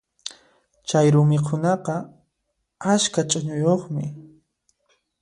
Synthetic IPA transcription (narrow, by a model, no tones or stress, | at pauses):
t͡ʃajɾʊmɪkʰʊnɑqɑ | askat͡ʃʼʊɲʊjoχmɪ